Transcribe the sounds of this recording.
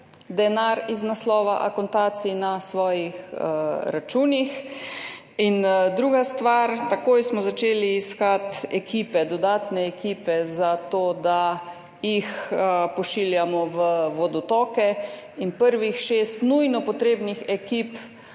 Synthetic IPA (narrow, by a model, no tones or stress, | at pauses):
d̪ɛnaːɾiznaslɔːʋaʔa̰kɔnt̪aːt̪sinasʋɔːjixɾat͡ʃuːnix | ind̪ɾuːɡast̪ʋaɾt̪akoːjsmɔzat͡ʃeːliːskat̪ɛkiːpɛd̪ɔd̪aːt̪nɛːkiːpɛzat̪oːd̪a | jixpɔʃiːljamɔʋəʋɔd̪ɔt̪ɔkɛ | inpəɾʋixʃest̪nujnɔpɔt̪ɾeːbnixɛkiːp